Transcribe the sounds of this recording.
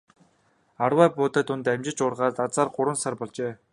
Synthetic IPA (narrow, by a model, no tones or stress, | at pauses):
arwæːpʊːt̪eːt̪ʊnt̪æmt͡ɕɪ̆t͡ɕʊrʁaːt̪at͡saːrɢʊɾwə̆nsarpɔɮt͡ɕeː